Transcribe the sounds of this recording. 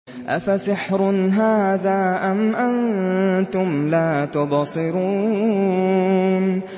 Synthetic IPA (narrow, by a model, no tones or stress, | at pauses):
ʔa̰fasɪħɾʊnɦaːðaːʔamʔant̪ʊmlaːt̪ʊbɑsˤɨɾuː | n